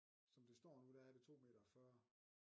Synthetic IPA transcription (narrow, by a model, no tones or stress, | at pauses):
sɒ̽md̥e̝sd̥ɒ̰ːnud̥æhæd̥e̝t͡sʰo̝̰ːme̝̰ːd̥ɐfɶɐ̰